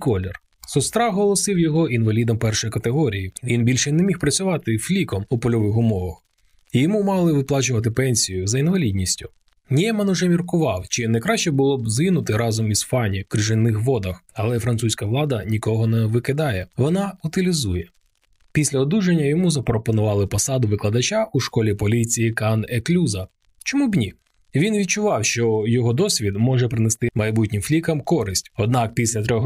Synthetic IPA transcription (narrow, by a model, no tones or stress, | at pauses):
kɔlʲɛr | sɔst̪ɾɑɦɔlˠɔsɪwjɔɦɔinʋɐlʲid̪ɔmpɛrʃɔjkɐt̪eɦɔɾʲijiʋʲinbʲilʲʃɛnɛmʲixpɾɐt͡sʲʊʋɑt̪ɪflʲikɔmupɔlʲɔʋɪxʊmɔʋɐx | ijɔmumɑlˠɪʋɪplˠɑt͡ʃʊʋɐt̪ɪpɛnʲsʲijʊzɐinʋɐlʲidʲnʲisʲtʲʊ | nʲiɛmɐnʊʒɛmʲirkʊʋɑwt͡ʃɪnɐjkɾɑʃt͡ʃɛbʊlˠɔbzɪnʊt̪ɪɾɑzɔmisfɑnʲikɾɪʒɪnːɪxʋɔd̪ɐxɐlˠɛfɾɐnt̪susʲkɐʋlˠɑd̪ɐnʲikɔɦɔnɛʋɪkɪd̪ɑjɛʋɔnɑʊt̪ɪlʲizujɛ | pʲisʲlʲɐɔd̪uʒenʲːɐjɔmuzɐpɾɔpɔnʊʋɑlˠɪpɔsɑd̪ʊʋɪklˠɐd̪ɐt͡ʃaʔuʃkɔlʲipɔlʲit͡sʲijikaneklʲuzɐ | t͡ʃɔmubnʲi | ʋʲinʋʲid̪̚t͡ʃʊʋɑwʃt͡ʃɔjɔɦɔd̪ɔsʲʋʲid̪mɔʒɛpɾɪnest̪ɪmɐjbutʲnʲɪmflʲikɐmkɔɾɪsʲtʲɔd̪̚nɑkpʲisʲlʲɐt̪ɾʲɔx